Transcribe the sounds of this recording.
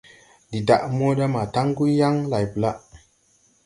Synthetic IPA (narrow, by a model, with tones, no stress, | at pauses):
di˨da˨ʔmo˦ɗa˦ma˨ta˦ŋ˦ɡu˦ja˦ŋla˨jbu˨la˦